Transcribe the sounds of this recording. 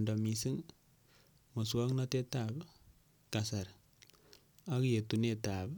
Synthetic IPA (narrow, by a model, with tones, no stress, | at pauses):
nda˨mi˨si˦ŋ | mo˨swa˦ŋna˦te˦tab | ka˨sa˨ɾ | a˦kje˨tu˨ne˦ta˨b